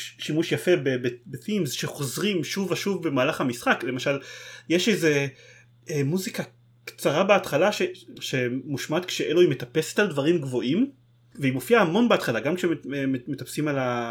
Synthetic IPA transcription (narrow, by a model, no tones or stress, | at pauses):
ʃimuʃjafe̞bebebeθimzʃeχo̞zʁimʃuvaʃuvbemaːlaχamisχakle̞maʃaljeʃejze̞ | emuzika | kt͡saʁabeat̪χalaʃeʃemuʃmat̪kʃeʔeloimet̪ape̞se̥t̪ald̪vaʁimɡvo̞ʔim | veimofiahːmo̞nbeat̪χalaɡamkʃememmet̪apsimala